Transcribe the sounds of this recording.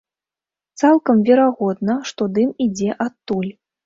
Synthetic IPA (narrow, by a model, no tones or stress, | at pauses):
t̪salˠkɐmvʲɛɾaɣɔd̪nɐʂt̪ɔd̪ɨmid͡zʲɛʔat̪ːulʲ